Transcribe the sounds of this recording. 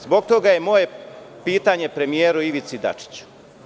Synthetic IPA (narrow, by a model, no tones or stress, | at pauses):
zbo̞ɡ̚t̪o̞ɡaje̞mo̞je̞piːt̪aɲe̞pɾe̞mijeːɾuiʋit̪sid̪a̰t͡ʂi̥t͡ɕu̥